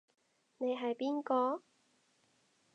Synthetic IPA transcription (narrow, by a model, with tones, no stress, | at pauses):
ne˨˧jɦɐ˨jpiː˥nkɔː˧